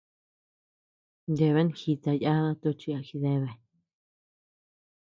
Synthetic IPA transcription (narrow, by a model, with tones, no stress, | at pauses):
nd̪e˧βe˦n˧xi˧t̪a˧ja˦ða˦t̪u˧t͡ʃi˧a˧xi˧ðe˧βe˧˨